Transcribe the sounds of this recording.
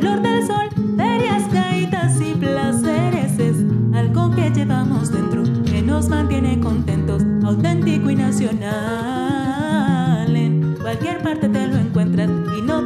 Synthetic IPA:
loɾðe̞lso̞lbaɾjaskait̪asiplase̞ɾe̞sesalɣoke̞d͡ʒe̞βamo̞zd̪e̞nt̪ɾokeno̞zmãnt̪je̞ne̞ko̞nt̪e̞nt̪o̞sawt̪e̞nt̪ikoinasjo̞na | lenkwalkje̞ɾpaɾt̪e̞ðeloe̞ŋkwe̞nt̪ɾas | ino

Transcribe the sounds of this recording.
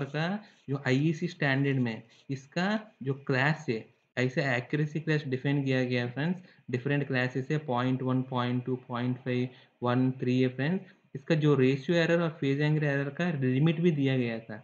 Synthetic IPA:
ɾka | d͡ʒoːʔaːiiːsisʈɛ̃ːɳɖəɾɖmẽ | ɪskad͡ʒoːklɛːsɦɛː | ɛɪseɛːkjʊɾəsiklɛːsɖɪfʰɛ̃ɳɖkijaɡɐjaefɾɛ̃nɖs | ɖɪfɾə̃ɳʈklɛːsɪzɛpɔ̃ːɪ̃ɳʈʋɐnpɔːɪ̃ɳʈːuːpɔ̃ːɪ̃ɳʈpʰaɪʋ | ʋɐnt̪ʰɾiːepʰɾẽɳs | ɪskad͡ʒoːɾeːʃuɛːɾəɾɔːɾpʰeːzɛ̃ːŋɡɾɛːɾəɾkaɾlɪmɪʈbʱid̪ijaɡɐjat̪ʰaː

